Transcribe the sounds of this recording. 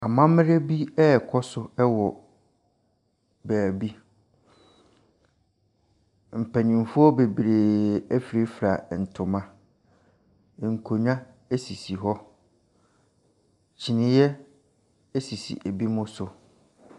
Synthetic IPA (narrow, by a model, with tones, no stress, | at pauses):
a˨mã˦m˦ɾe˦bi˦ɛ˦˨kʰɔ˦sʊ˨ɛ˦wɔ˨ | bæː˨bi˦ | m̩˨pʰæ˨nɪ̃˨m˨fu˦ɔ˦be˨bi˨ɾe˨æ˦fi˨ɾe˦fɾa˨n̩˨tʰʊ̃˨mã˦˨ | ŋ̩˨kʰo˨ɲᶣ˦ã˦ | e˦si˨si˨ɦɔ˦ | t͡ɕʰi˨nɪ̃˦jɛ˦ | e˦si˨sḭ˨ʔæ˨bi˦mʊ̃˦sʊ˨